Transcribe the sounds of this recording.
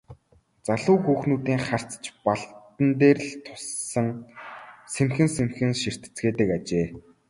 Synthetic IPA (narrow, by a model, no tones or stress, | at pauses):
t͡saɮʊːxuːxnuːt̪iːŋχar̥t͡st͡ɕpaɮtt̪ə̆nt̪eːrɮt̪ʰʊ̥sːə̆ŋ | semxɘ̆nsemxɘ̆nʃir̥t̪ɘ̥̆t͡sɡeːt̪ɘ̆kat͡ɕeː